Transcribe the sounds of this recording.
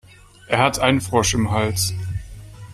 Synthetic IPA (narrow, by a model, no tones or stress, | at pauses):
ʔeːɐhatʔaɪnənfʁ̥ɔʃɪmɦalt͡s